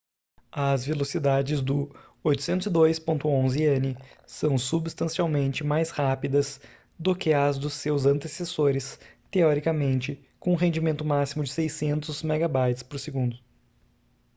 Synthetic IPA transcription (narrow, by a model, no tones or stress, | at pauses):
ɐzvelosid̪ad͡ʒɪzd̪ʊ | ojt̪ʊ̥sẽnt̪ʊzɪd̪ojspõnt̪ʊõzɪẽnɪsɐ̃w̃subist̪ɐ̃siawmẽnt͡ʃɪmajshapid̪ɐz | d̪ʊkɪɐzd̪ʊsːewzɐ̃nt̪esesoɾɪst̪eɔɾikɐmẽnt͡ʃɪ | kõũɦẽnd͡ʒimẽnt̪ʊmasimʊd͡ʒɪsejsẽnt̪ʊzmɛɡabajt͡ʃɪspoɾseɡũnd̪ʊ